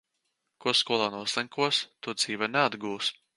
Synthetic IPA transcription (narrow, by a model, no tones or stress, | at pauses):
kuɔskuɔlˠaːnuɔsɛŋkuɔst̪ud̪z̥iːvɛnɛad̪ɡuːs